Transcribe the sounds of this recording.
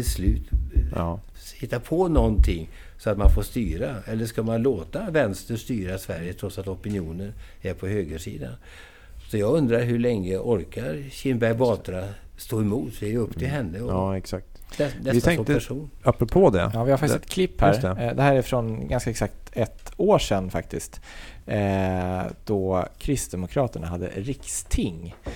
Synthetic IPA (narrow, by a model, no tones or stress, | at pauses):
ɪlslʉ̟ːt̪ː | hɪt̪ːapʰɔnɔnt̪ʰɪŋː | sɔat̪manfoːst̪yːɾaɛlːəʂkamanloːt̪avɛnst̪əʂt̪yːɾasvæɾjət̪ʰɾɔt̪sat̪ɔpɪnjuːnən | æɾpʰɔhøːɡəʂḭːd̪a̰n | sɔjɑːɡɵnd̪ɾaɾɦɵɭɛŋːəʔɔɾkaɾɕɪnbæɾjbɑːt̪ɾast̪oːɛmuːt̪d̪ɛɾjəɵpt̪ʰɪlɦɛnːəɔɑːɛksak̚t̪nɛɪt̪ːʰɛŋk̪ːt̪əɛʂuːnapːɾɔpʰod̪ɛ̰jɑːvɪhaɾfakt̪ːsɛt̪kʰlɪpːhæːɾɾɛd̪ɛhæːɾɛfɾɔnɡanskaɛksakt̪ɛt̪oːʂɛnːfak̚t̪ɪst̪ | d̪̥ɔkʰɾɪst̪d̪ɛmʊkʰɾɑːt̪əɳa̰ɦad̪ːə̰ɾɪkst̪ʰɪŋː